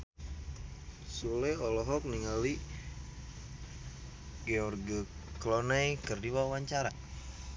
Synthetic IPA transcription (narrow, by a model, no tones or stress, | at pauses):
sulɛɔlɔɦɔk̚niŋali | ɡeɔrɡiklɔnajkərdiwauwaɲt͡ʃaɾa